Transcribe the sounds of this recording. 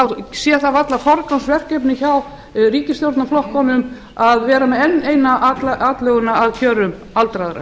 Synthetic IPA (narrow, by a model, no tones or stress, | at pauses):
awsjɛθavat̪lafɔɾkansvɛr̥kɛpnɪçaw | riːcɪsjowɾt̪naflɔhkɔnʏm | aðvɛːɾamɛðɛnːeːjnatlaːt̪lœɣʏnaaðcʰœːɾʏm | alt̪ɾaðɾa̰